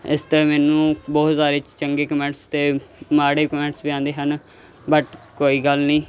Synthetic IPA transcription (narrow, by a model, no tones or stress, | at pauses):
ɪ̰st̪eːmɛːnũːbɔːt̪saːɾeːt͡ʃt͡ʃəŋɡeːkəmɛ̃ːɳʈst̪eːmaːɽeːkəmɛ̃ːɳʈsbiːãːnd̪eːɦən | bəʈkoːiːɡəlnĩː